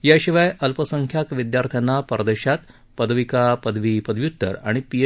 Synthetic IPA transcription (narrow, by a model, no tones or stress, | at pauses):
jaɕiʋajʔəlpəsəŋkʰjakʋid̪jaɾt̪ʰjanːapəɾəd̪əɕat̪ | pəd̪ʱʋikapəd̪ʱʋipəd̪ʱʋjut̪ːə̰ɾa̰ɽ̃ipie